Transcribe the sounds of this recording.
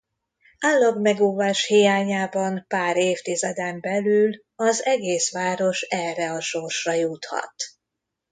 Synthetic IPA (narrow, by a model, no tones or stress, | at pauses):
alːɒɡmɛɡuːvaːʃhijaːɲaːbɒmpaːɾeːft̪izɛd̪ɛmbɛlyːl | ɒzɛɡeːsʋaːɾo̞ʃɛrɛɒʃorʃrɒjut̪hɒ̰t̪